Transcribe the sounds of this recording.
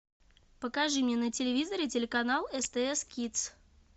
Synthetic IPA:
pəkaʐɨmʲnʲɛnət͡sʲɪlʲɪvʲizəɾɨtʲɪlʲɪkanalˠɛst̪ɛɛskʲit̪s

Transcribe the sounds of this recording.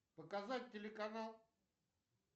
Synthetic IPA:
pəkazat̚ʲtʲɪlʲɪkanalˠ

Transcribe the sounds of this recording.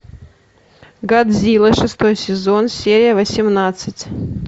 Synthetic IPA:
ɡad̪zʲilˠəʂɨst̪o̞jsʲɪzonsʲeɾʲɪjəvəsʲɪmnat̪sɨtʲ

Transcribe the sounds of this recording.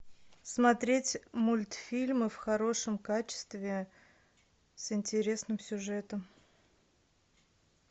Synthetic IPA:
smɐt̪ɾʲetʲmulʲt̪fʲilʲmɨfxɐɾo̞ʂəmkat͡ɕɪ̥st̪vʲɪ | sɪnʲtʲɪɾʲe̞snɨmsʲʊʐɛt̪əm

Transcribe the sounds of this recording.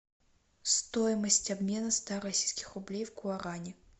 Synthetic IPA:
st̪ojɪməsʲtʲabmʲe̞nəst̪aɾɐsʲijskʲɪ̥xrʊblʲejvɡʊɐɾanʲɪ

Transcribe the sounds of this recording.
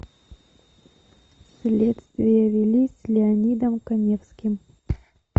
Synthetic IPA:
sʲlʲet̪st̪vʲɪjɐvʲilʲisʲlʲɪɐnʲid̪əmkɐnʲefskʲim

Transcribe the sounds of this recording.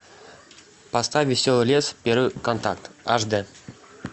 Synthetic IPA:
past̪ɑvʲɪsʲolˠlʲespʲeɾkont̪a̰k̚t̪ɑʐd̪ɘ

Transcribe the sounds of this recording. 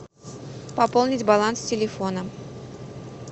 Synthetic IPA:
pɐpolˠnʲɪtʲbɐlˠanstʲɪlʲɪfo̞nə

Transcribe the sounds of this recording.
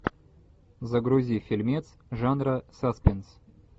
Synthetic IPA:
zəɡɾʊzʲifʲɪlʲmʲet̪sʐanɾəsaspʲɪns

